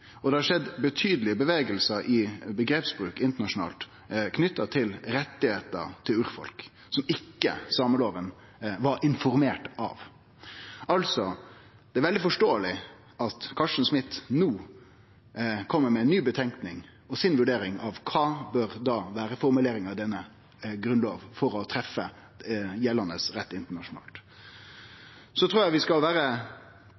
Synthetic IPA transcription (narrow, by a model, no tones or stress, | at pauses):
ɔd̪ɛhɑʂɛd̪bət̪ʰyːd̪əlɪbəʋeːɡəlsəʔɪbəɡɾeːpsbɾʉːkɪnt̪əɳɑʂʊn̩ɑ̰ːlt̪ | kʰnʏt̪ːɑt̪ʰɪlɾɛt̪ːɪheːt̪ə̰ɾt̪ʰɪlʉːɾfɔ̰lk | sɔmɪkːə̰sɑːməloːɾən | ʋɑɾʔɪnfɔɾmeːʈɑ̰ʋ | ʔɑlsɔ | d̪̥ɛæɾʋɛld̪ɪfɔʂʈoːəlɪ | ʔɑt̪kʰɑʂən̩smɪt̪ːnuː | kʰɔmːəɾmɛɛnːyːbət̪ʰɛŋknɪŋ | ɔsɪnʋʉɖeːɾɪŋɑʋkʰɑːbøɾd̪ɑːʋæːɾəfɔɾmʉleːɾɪŋɑʋd̪ɛnːə | ɡɾʉnloːʋfɔɾɔt̪ʰɾɛfə | jɛlɑnəsɾɛt̪ːɪnt̪əɳɑʂʊnɑ̰ːlt̪ | sɔt̪ʰɾuːjæɪʋɪskɑlʋæːɾə